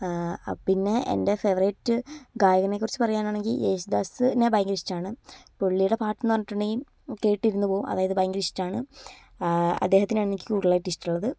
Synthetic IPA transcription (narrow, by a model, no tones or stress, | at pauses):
pinːe̞ʔḛnde̞feʋɐrɐjʈːɨɡaːjɐɣɐnekːurit͡ɕːɨ̥pɐrɐjːaːnaːɳe̞ŋɡileːɕud̪aːsnebajŋɡɨɾistːaːɳɨpoɭːijuɽe̞paːʈːɐnːɨʋɐnːiʈːuɳɖejim | ke̞ːʈːiɾunːupo̞ːumɐ̰ðaːjɐðɨbajŋɡɾiʂi̥tːaːɳɨ | ɐ̰d̪ːe̞ːɦɐt̪ːinmenːikʲːikuːɽɭaːjiʈːistuɭːɐðɨ